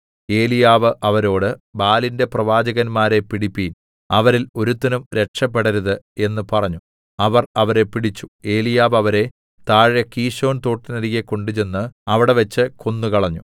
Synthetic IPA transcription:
e̞ːlijaːʋɨʔɐʋɐɾo̞ːɽɨbaːlinde̞prɐʋaːd͡ʑɐɣɐnmaːɾe̞piɽipːiːn | ɐʋɐɾilo̞ɾut̪ːɐnumɾe̞ʈʂɐp̬ːe̞ɽɐɾuðɨ | e̞nːɨpɐrɐɲːu | ɐʋɐrɐʋɐɾe̞piɽit͡ɕːu̥e̞ːlijaːʋɐʋɐɾe̞ | t̪aːɻjɐkiːɕo̞ːnt̪o̞ːʈːinɐɾiɣeko̞ɳɖut͡ɕe̞nːɨɐʋiɽe̞ʋɐt͡ɕːɨko̞nːukɐɭɐɲːu

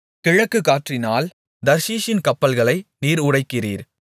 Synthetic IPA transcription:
kɪɻɐkːɯkːaːʈrɪnaːl | d̪ɐɾsiːʃɪnkɐpːɐlɣɐɭɐɪniːɾʊɽɐɪkːɪriːɾ

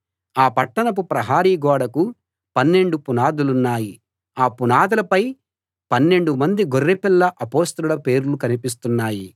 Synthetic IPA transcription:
aːpɐʈːɐnɐp̬upɾɐɦaːɾiːɡɔːɽɐku | pɐnːe̞ɳɖupunaːd̪ulunːaːji | aːpunaːd̪ulɐpɐj | pɐnːe̞ɳɖumɐnd̪iɡorːepilːɐʔɐpoːst̪ɐulɐpe̞ːɾulukɐnipis̬t̪unːaːji

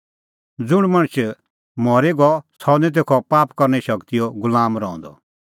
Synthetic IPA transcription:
d͡zʊɽ̃mɐ̃ɽ̃t͡ʃ | mɔːɾeɡɔsʰɔnɛt̪̬ekʰɔpaːpkɔɾnɛʃɐkt̪ijɔɡʊlaːmɾɔɔ̃nd̪ɔ̰

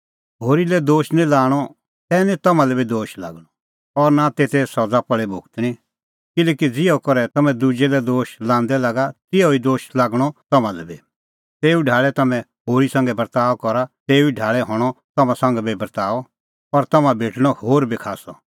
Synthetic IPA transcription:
ɦoːɾilɛd̪oːʃnĩlaːɽ̃ɔ | t̪ɛːnit̪ɐmãlɛbid̪oːʃla̰ːɡɽ̃ɔ | ɔɾnat̪eːt̪ʰɛsɔd͡zapɐɭɛbʱoːkt̪ɽ̃ĩ | kɪleːkid͡zɪɔkɔɾɛt̪ɐmɛ̃d̪ud͡ʒɛlɛd̪oːʃlãːnd̪ɛlaːɡat̪ɪɔid̪oːʃlaːɡɽ̃ɔt̪ɐmãlɛbi | t̪eːuɖʱaːɭɛt̪ɐmɛ̃ɦoːɾisãŋɡɛbɐɾt̪aːɔkɔɾat̪eːuiɖʱaːɭɛɦɔ̃ːɽ̃ɔt̪ɐmãsɐ̃ŋɡɛbibɐɾt̪aːɔ | pɐɾt̪ɐmãbʱeːʈʰɽ̃ɔhoːɾbikʰaːsɔ

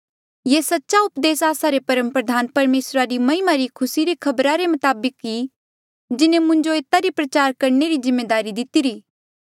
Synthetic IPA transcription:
jesɐtːʃaʊpd̪eːsaːsaɾepɐɾə̃mpɾɐd̪ʱaːnpɐɾmeːsɾaɾimɐɦɪmaɾikʰʊsiɾikʰɐbɾaɾemʊt̪aːbəkːi | d͡ʒɪnẽmʊ̃ɲd͡ʒoeːt̪aɾipɾɐt͡ʃaːɾkɐɾneɾizɪ̃mːeːd̪aːɾid̪ɪt̪iɾiː

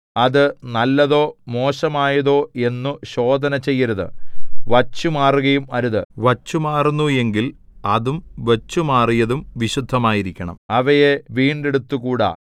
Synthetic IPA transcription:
ɐðɨnɐlːɐðo̞ːmo̞ːɕɐmaːjɐðo̞ːe̞nːuɕo̞ːd̪ʱɐnɐt͡ɕe̞jːɐɾɐðɨ̰ʋɐt͡ɕːumaːruɣɐjumɐɾuðɨʋɐt͡ɕːumaːrunːue̞ŋɡilɐðumʋet͡ɕːumaːrijɐðumʋiɕud̪ʱːɐmaːjiɾikʲːɐɳɐ̰mɐʋɐjeʋiːɳɖeɽut̪ːukuːɽa̰ː

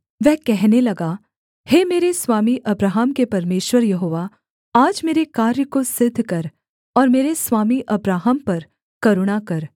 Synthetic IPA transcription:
ʋɛɦkɛɦnelɐɡaː | hemeːɾeswaːmiʔɐbɾaːɦəmkepɐɾmeːʃwəɾjɐɦoːʋa | aːd͡ʒmeːɾekaːɾjəkosɪd̪ʱːkɐɾ | ɔːɾmeːɾesʋaːmiʔɐbɾaːɦəmpɐɾ | kɐɾʊɽ̃akɐɾ

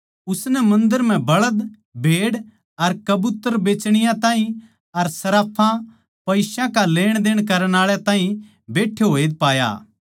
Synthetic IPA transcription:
ʊsnɛmɐ̃nd̪əɾm̤ɛ̃bɐɭəd̪ | bʱeːɽ | ɐɾkɐbʊt̪əɾbeːt͡ʃɽ̃ɪjãt̪ãːɦĩ | ɐɾsɐɾaːpʰã | pɐɪʃãkaleːɽ̃d̪eːɽ̃kɐɾəɽ̃aːɭjat̪ãːɦĩ | beːʈʰːeɦoːed̪paːja̰ː

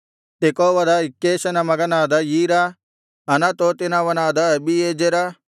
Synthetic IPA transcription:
t̪ekoːʋɐd̪aɪkːeːʃɐnamɐɡɐnaːd̪ajiːɾa | ɦɐnat̪oːt̪ɪnaʋɐnaːd̪aɐbieːd͡ʒeɾa

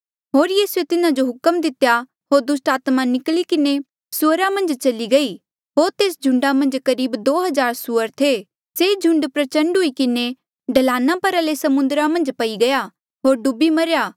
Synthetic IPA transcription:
ɦoːɾjiːsuet̪ɪnãd͡ʒoɦʊkəmd̪ɪt̪ja | ɦoːɾd̪ʊsʈaːt̪manɪklikɪne | sʊəɾamɐ̃nd͡ʒt͡ʃɐliɡɐi | ɦoːɾt̪eːsd͡ʒʱʊ̃ɳɖamɐ̃nd͡ʒkɐɾiːbd̪oːɦɐzaːɾsʊəɾt̪ʰe | sed͡ʒʱʊ̃ɳɖpɾɐt͡ʃə̃ɳɖɦʊikɪne | ɖɐlaːnãpɐɾalesɐmʊ̃nd̪ɾamɐ̃nd͡ʒpɐiɡɐja | ɦoːɾɖʊbimɐɾjaː

